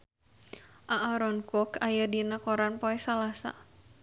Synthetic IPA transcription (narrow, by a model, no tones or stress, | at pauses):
ʔaʔːɾɔnkɔkajadinakɔɾanpɔɛsalasa̰